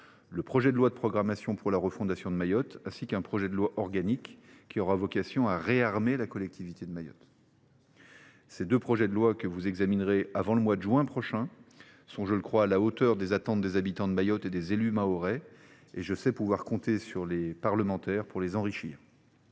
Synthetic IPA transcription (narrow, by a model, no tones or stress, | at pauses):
ləpχɔʒɛd̪əlwad̪əpχɔɡʁamasjɔ̃puʁlaʁəfɔ̃d̪asjɔ̃d̪əmajɔt̪ɛ̃sikɛ̃pχɔʒɛd̪əlwaʔɔʁɡanikːiɔʁavɔkasjɔ̃aʁeaʁmelakɔlɛk̚t̪ʰivit̪ed̪əmajɔ̰t̪ | sed̪øpχɔʒɛd̪əlwakəvuzɛɡzaminʁeavɑ̃ləmwad̪əʒɥɛ̃pχɔʃɛ̃ | sɔ̃ʒələkχwaːlaot̪œʁd̪ezat̪ɑ̃t̪̚d̪ezabit̪ɑ̃d̪əmajɔt̪ed̪ezelymaɔʁɛ | eʒəsɛpuvwaʁkɔ̃t̪esyʁlepaʁləmɑ̃t̪ɛʁpuʁlezɑ̃ʁiʃḭːʁ